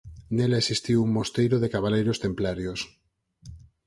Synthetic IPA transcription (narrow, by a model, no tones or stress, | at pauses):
nelesist̪iwuŋmost̪ejɾoðekaβalejɾost̪emplaɾjos